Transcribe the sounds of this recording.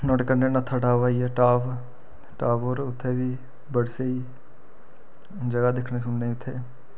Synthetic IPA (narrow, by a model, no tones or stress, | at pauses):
nɔːʈkəɾnenɐt̪ʰəʈaːʋaijɛʈaːʋ | ʈaːʋoːɾʊt̪ʰːebʱi | bəɽsei | d͡ʒəɡad̪ɪkʰnes̬ʊnneʊt̪ʰeː